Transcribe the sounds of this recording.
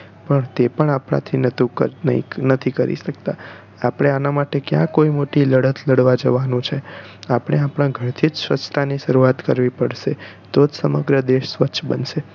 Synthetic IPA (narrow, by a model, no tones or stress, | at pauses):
pəɳt̪epəɳapɳa̰t̪ʰinət̪uəḭnət̪ʰikəɾḭʃək̚t̪a̰ | apɽ̃eanamaʈekjã̰koimoʈiləɽət̪ləɽʋad͡ʒəʋanũt͡ʃʰe | apəɳ̃eapɽ̃ãɡʱəɾt̪ʰid͡ʒsʋət͡ʃt̪ʰaniʃəɾuat̪kəɾʋipəɽʃe | t̪od͡ʒsəməɡɾəd̪eʃsʋətːʃʰbənʃe